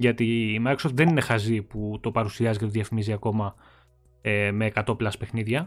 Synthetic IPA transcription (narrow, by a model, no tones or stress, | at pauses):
ʝɐt̪iːmɐkɾosoft̪ðeninexɐziput̪o̞pɐɾusiɐzicet̪oðiɐfimiziɐko̞mɐ | eme̞ːkɐt̪o̞plɐspe̞xniðʝɐ